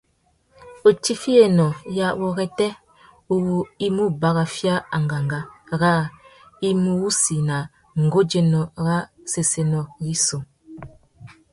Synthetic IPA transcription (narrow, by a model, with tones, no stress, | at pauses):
o˨ti˦fi˦e˨nɔ˨ja˦wɔ˦ɣɛ˦tɛ˦ | u˨ɣu˦i˦mu˦ba˦ɣa˨fja˦a˨ŋ˨ɡa˨ŋɡa˦ɣa˦ | i˦mu˦wu˦si˨na˨ | ŋ̩˨ɡo˦d͡ʒe˦nɔ˨ɣa˦se˨se˨nɔ˨ɣi˦so˨